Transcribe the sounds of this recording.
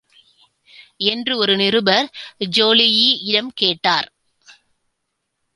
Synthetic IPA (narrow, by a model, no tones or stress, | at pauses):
ɛndrɯɔɾɯnɪrɯbɐɾd͡ʒoːlɪjiɪɽɐmkeːʈːaːɾ